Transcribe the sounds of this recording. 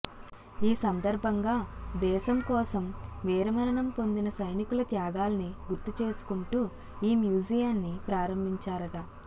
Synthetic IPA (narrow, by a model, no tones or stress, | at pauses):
iːsɐnd̪ɐɾbʱɐŋɡaːd̪ɛːʃɐmkɔːsɐmʋiːɾɐmɐɾɐɳɐmpo̞nd̪inɐsɐjnikulɐt̪jaːɡaːlɐniɡuɾt̪ːut͡ʃe̞ːsu̥kuɳʈu | iːmjuːd͡ʒijannːipɾaːɾɐmbʱiɲt͡ʃaːɾɐʈɐ